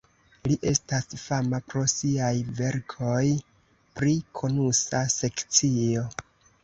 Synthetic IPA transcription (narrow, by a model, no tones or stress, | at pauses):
liʔe̞stasfamapɾo̞siajve̞ɾkʰo̞j | pɾikʰo̞nusase̞kt͡sio̞